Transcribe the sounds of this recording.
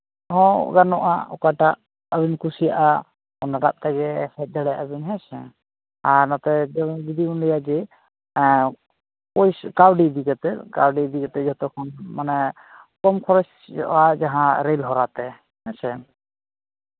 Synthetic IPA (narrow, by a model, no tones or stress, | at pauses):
ɦɔ̰̃ɡanɔʔa̰ɔkaʈaʔ | əbinkusijaʔa | ɔnaɾa̰t̚t̪aɡɛsɛt̪̚d̪ɛɽɛʔabinɦɛsɛ | aɾnɔt̪ɛd͡ʒɔbid̪iunlɛjad͡ʒɛ | kɔjskawɖid̪iɡat̪ɛkawɖid̪ikɛt̪ɛd͡ʒɔt̪ɔkʰɔnmanɛ | kɔmkʰɔɾɔt͡ʃ | d͡ʒɔ̰ʔad͡ʒaɦãɾɛlɦɔɾat̪ɛ | hɛsɛ